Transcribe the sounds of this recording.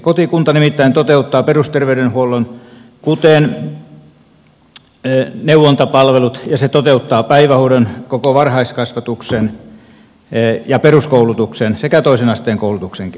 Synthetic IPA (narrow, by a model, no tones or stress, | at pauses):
kot̪ikunt̪ɑnimit̪ːæint̪ot̪eut̪ːɑːperust̪erʋeydenhuolːˑon | kut̪eːˑn | newˑont̪ɑpɑlʋelut̪jɑset̪ot̪eut̪ːɑːpæiʋæhudonkokoʋɑrhɑiskɑsʋɑt̪uksen | jɑperuskoulut̪uksensekæt̪oˑisenɑst̪eːŋkoulut̪ukseŋk